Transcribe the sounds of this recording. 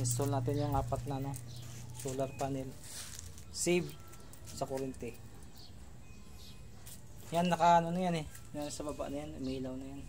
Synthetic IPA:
nɪs̬t̪olnaːt̪̬ɪnjʊŋaːpat̪̚nano̞ | solaɾpanɪl | sib | sɐkoɾɪnt̪ɛ | janːɐkaʔanonajanɛ | nsɐbaba̰ʔnɐjanmiːlawnɐjan

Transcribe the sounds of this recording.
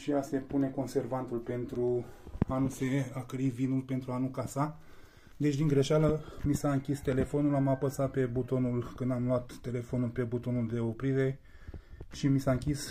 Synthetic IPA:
ʃiase̞pune̞ko̞nse̞rvant̪ulpe̞nt̪ɾuanuse̞akɾivinulpe̞nt̪ɾuanukasa | d̪e̞t͡ʃʲd̪iŋɡɾe̞ʃaləmisaɨŋkʲist̪e̞le̞fo̞nulamapəsat̪̚pe̞but̪o̞nulkɨnd̪amlwat̪ːe̞le̞fo̞nulpe̞but̪o̞nuld̪e̞o̞pɾiɾe̞ | ʃimisaɨŋkʲis

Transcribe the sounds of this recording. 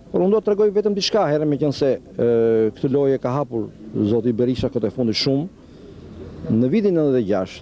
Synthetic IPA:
pɔɾund̪uat̪əɾɛɡɔjvɛt̪əmd̪iʃkaɦɛɾɛmɛcənsɛ | kət̪əlɔjɛkaɦapuɾzɔt̪̬ibɛɾiʃakət̪ɛfund̪iʃum | nəviðinənəðɛɟaʃ

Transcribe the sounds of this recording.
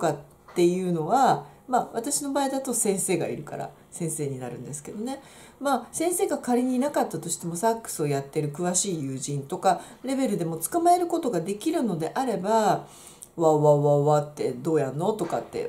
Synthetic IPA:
t̪oka | t̪ːe̞jɯ̟ːno̞βa | maːβat̪aɕino̞baːid̪at̪o̞sẽɰ̃se̞ːɡa̰ḭɾɯ̟ka̰ɾa̰ | sẽ̞ɰ̃se̞ːɲ̟inaɾɯ̟̃nd̪esɨ̥ke̞d̪o̞ne̞ | maːsẽ̞ɰ̃se̞ːɡakaɾʲiɲ̟iːnakat̪ːat̪o̞ɕi̥t̪e̞mo̞sakːɯ̟̥sɨo̞jat̪ːe̞ɾɯ̟kɯ̟βaɕiːjɯ̟ːʑĩnt̪o̞ka | ɾe̞be̞ɾɯ̟d̪e̞mo̞t͡sɨ̥kamae̞ɾɯ̟ko̞t̪o̞ɡad̪e̞kʲiɾɯ̟no̞d̪e̞ʔaɾe̞ba | βaβaβaβat̪ːe̞d̪o̞ːjanːo̞t̪o̞ka̰t̪ːe̞̰

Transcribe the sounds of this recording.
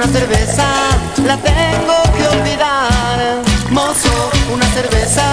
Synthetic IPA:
aθeɾβesalat̪eŋɡokeolβiðaɾmosounaseɾβesa

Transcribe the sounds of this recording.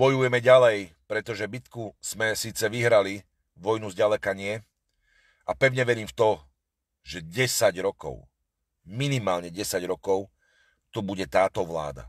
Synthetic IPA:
bɔjujɛmɛɟalɛj | pɾɛt̪ɔʒɛbit̪kuz̥mɛsiːt͡sɛʋiɦɾali | ʋɔjnuzɟalɛkaɲɪɛ | apɛʊɲɛʋɛɾiːmft̪ɔ | ʒ̥ɛɟɛsaɟɾɔkɔ̰ʊ | minimaːlɲɛɟɛsaɟɾɔkɔʊ | t̪ɔbuɟɛt̪aːt̪ɔʋla̰ːd̪a̰

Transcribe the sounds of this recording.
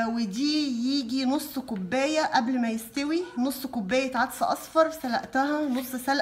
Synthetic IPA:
wed̪iːjiːɡinosˤːkobːeːjæʔæblmæjest̪æwinosˤːkobːæːjæt̪ʕat̪sɑʔɑsˤfɑɾˤsælæʔt̪æɦænosˤːsælʔ

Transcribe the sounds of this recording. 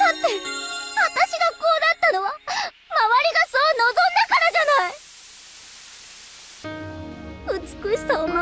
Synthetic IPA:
d̪at̪ːe̞βat̪aɕiɡako̞ːd̪at̪ːano̞βa | maβaɾʲiɡaso̞ːno̞zõ̞nd̪akaɾaʑanai | ɯ̟t͡sɨ̥kɯ̟ɕi̥soːma

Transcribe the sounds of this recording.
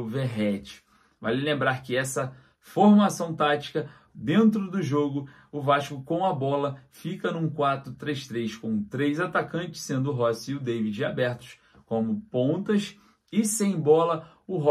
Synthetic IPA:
veɦɛt͡ʃɪ̥ | valɪlẽmbɾaɾkɪɛsɐ | foɾmasɐ̃w̃t̪at͡ʃi̥kɐ | d̪ẽnt̪ɾʊd̪ʊʒoɡʊ | ʊvaʃkʊkõɐbɔlɐfikɐnũkwat̪ɾʊt̪ɾejʃt̪ɾejʃkõw̃t̪ɾejzat̪akɐ̃nt͡ʃɪ̥sẽnd̪ʊːɦɔsiʊd̪ejvid͡ʒɪabɛɾt̪ʊ̥ʃ | kõmʊpõnt̪ɐs | ɪsẽj̃bɔlɐ | ʊɦɔ

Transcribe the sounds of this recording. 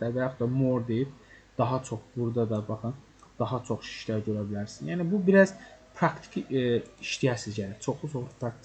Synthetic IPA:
æɾvæjaχt̪ɑmoɾd̪e̞jib̚d̪̥ɑɦɑt͡ʃʰo̞χbuɾd̪ɑd̪ɑbɑχɯn | d̪̥ɑɦɑt͡ʃʰo̞χʃi̥ʃlæɾɟø̞ɾæbilæɾsinjæːnibubiɾæz̥pʰɾɑkt̪ʰi̥kʰiiʃt̪ijæɾsizɟælæt͡ʃʰo̞χlˠut͡ʃʰo̞χlˠupʰɾɑkt̪

